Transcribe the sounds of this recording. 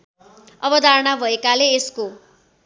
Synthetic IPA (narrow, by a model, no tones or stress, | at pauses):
ʌbʌd̪ʱaɾɳabʱʌekaleːsko